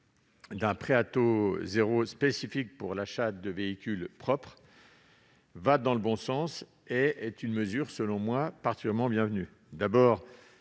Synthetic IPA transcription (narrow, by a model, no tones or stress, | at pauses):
d̪ɛ̃pχeat̪ozeʁospesifik̚puʁlaʃad̪əveikʲylpχɔpχ | vad̪ɑ̃ləbɔ̃sɑ̃s | eɛt̪ynməzyʁsəlɔ̃mwapaʁt̪i̥kʲyɛʁmɑ̃bjɛ̃vny | d̪abɔːʁ